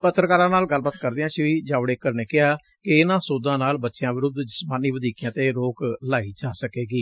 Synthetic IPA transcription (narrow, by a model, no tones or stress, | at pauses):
pət̪ːɾəkaːɾãːnaːlɡəlbaːt̪kəɾd̪eãːʃɪʋiːd͡ʒaːʋɽeːkːəɾneːkɪaː | kɪɪnãːsoːd̪ãːnaːlbətːʃjãːʋɪɾʊd̪d͡ʒəsmaːniːʋəd̪iːkjãːt̪eːɾoːklaːiːd͡ʒaːsəkeːɡiː